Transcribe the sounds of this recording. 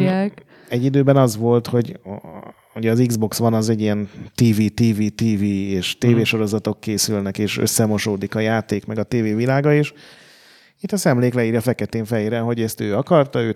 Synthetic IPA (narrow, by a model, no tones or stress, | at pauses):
a | ɛɟːid̪øːbɛnɒzʋo̞lt̪ho̞ɟ | uɟɛːziɡzbo̞ksʋɒnɒzɛɟːijɛnt̪iːviːt̪iːviːt̪iːviːeːʃt̪eːveːʃo̞ɾo̞zɒt̪o̞kːeːsylnɛkeːʃø̰sːɛmo̞ʃoːd̪ikɒjaːt̪eːkmɛɡɒt̪eːveːvilaːɡɒeːʃ | it̪ːɒsɛmleːklɛiːrjɒfɛkɛt̪eːɱfɛjeːɾɛɦo̞ɟɛst̪øːɒkɒrt̪ɒøː